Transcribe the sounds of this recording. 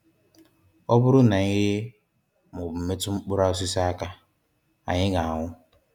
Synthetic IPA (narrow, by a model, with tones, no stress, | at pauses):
ɔ˦bʊ˦ɾʊ˦na˨˦ɦɪ˦ | mʊ˨me˦tʊ˦ŋ͡m̩˦k͡pʊ˦ɾa˦ʊ˦s̬i˦sa˦a˦ka˦ | a̰˨ɲɪ˦ɡa˨a˨ŋʊ˦